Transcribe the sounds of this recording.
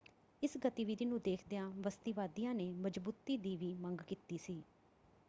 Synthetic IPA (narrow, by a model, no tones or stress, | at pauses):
ɪsɡət̪iːʋiːɾiːnũːd̪eːkʰd̪eãːʋəst̪iːʋaːd̪ijãːneːməd͡ʒbuːt̪iːd̪iːʋiːməŋɡkiːt̪iːsiː